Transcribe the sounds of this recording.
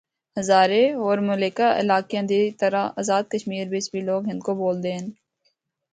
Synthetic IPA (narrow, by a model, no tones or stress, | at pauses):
həzaːɾeɔːɾmʊleːkaʔɪ̰laːkjãd̪it̪əɾaaːzaːd̪̚kəʃmiːɾbɪt͡ʃbiloːɡɦɪnkoboːld̪eːɦən